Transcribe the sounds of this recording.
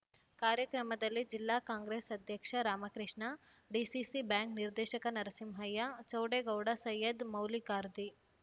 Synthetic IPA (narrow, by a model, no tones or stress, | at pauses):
kaːɾjɐkɾɐmɐd̪ɐlːid͡ʒilːaːkaːŋɡɾeːsɐd̪ʱjɐkʂɐɾaːmɐkɾiʂɳɐɖisisibjaːŋkniɾd̪eːʃɐkɐnɐɾɐsimɦɐjːat͡ʃɐwɖeɡɐwɽɐsɐjːɐd̪mɐwlikaːɾd̪i